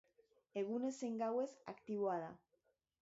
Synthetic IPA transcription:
e̞ɣ̞une̞seŋɡawe̞sa̰kt̪iβoaða

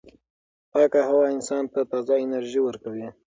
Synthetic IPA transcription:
pɑkahawɑɪnsɑnt̪at̪ɑzaɪnaɾʒiwəɾkawi

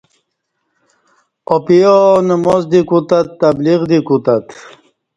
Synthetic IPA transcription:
ɔpijɔnəmɔzd̪ikut̪at̪ːabliʁd̪ikut̪at̪

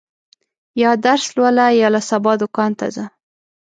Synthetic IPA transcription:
jɑd̪aɾslwalajɑlasabɑd̪ʊkɑnt̪a̰za

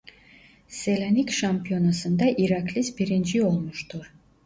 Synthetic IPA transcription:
selʲanikʲʃampijo̞nasɯnd̪aʔiɾaklʲisbiɾind͡ʒio̞lˠmuʃt̪ʰuɾ̥

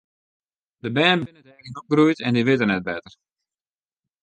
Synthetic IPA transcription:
dəbɛːnbɪnədɛːɡənɔp̚ɡrɾujtɛndiʋɪtərnɛt̚bɛtər

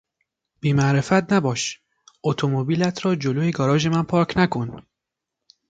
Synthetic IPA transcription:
b̥iːmæʔɾe̞fæt̪̚næbɒːʃ | ot̪ʰomobiːlæt̪ʰɾɒːd͡ʒoloːeɡɒːɾɒːʒe̞mænpʰɒːɾcʰnækʰon

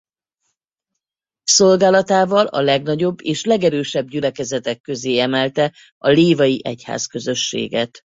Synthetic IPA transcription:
so̞lɡaːlɒt̪aːvɒlɒ̰lɛɡnɒɟo̞bːeːʃlɛɡɛɾøːʃɛbɟylɛkɛzɛt̪ɛkːøzeːɛmɛlt̪ɛ | ɒleːvɒjiʔɛcha̰ːskø̞zø̞ʃːḛːɡɛt̪

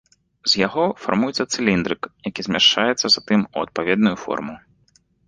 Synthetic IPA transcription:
zjaɣɔfa̰rmujɛt̪sːɐt̪sɨlʲind̪ɾɨkjakʲizʲmʲaʂt͡ʂajɛt̪sːɐzat̪ɨmuɐt̪̚pavʲɛd̪̚nujufɔ̰rmu

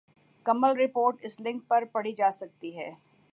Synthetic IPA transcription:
kɐməlɾɪpoːɾʈɪslɪ̃ŋk̚pɐɾpɐɽ̤id͡ʒaːsɐk̚t̪iɦɛː

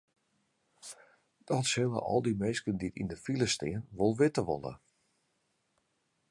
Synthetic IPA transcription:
d̥ɔtsɪlˠə̰ʔɔ̰lˠdimeskənditḭndəfiləstɪənʋolˠʋɪtəʋo̰lˠə̰

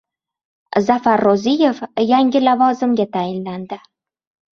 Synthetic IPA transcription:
zafaɾːozije̞fjaŋʲɪlavɒzɪmɡʲat̪ʰajɪnland̪ɪ

